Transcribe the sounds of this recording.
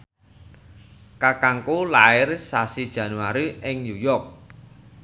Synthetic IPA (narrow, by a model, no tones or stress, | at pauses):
kakaŋkulaɪrsasid̥ʒ̥ä̤nuaɾiʔɪŋnujɔrk̚